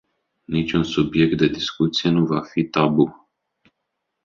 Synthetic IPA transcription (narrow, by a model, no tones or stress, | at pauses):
nit͡ʃʲunsubje̞k̚t̪̚d̪e̞d̪iskut̪sije̞nuvafit̪abu